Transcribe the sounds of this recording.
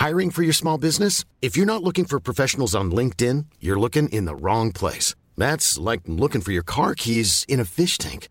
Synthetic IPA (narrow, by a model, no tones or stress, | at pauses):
haɪɹɪ̃ŋfə˞jə˞smɔlˠbɪznɨs | ɨfjə˞nətˡlʊkɪ̃ŋfə˞pʰɹ̥ɔfɛʃn̩l̩ˠzn̩lɪ̃ŋk̚tɪ̃njə˞lʊkɪ̃ŋʔɪ̰̃nðə̰ɹɔ̃ŋpʰl̥ḛɪs | ðætslaɪk̚lʊkɪ̃ŋfə˞jə˞kʰɑɹkʰizɨ̃ñɨfɪʃtʰæ̰̃ŋk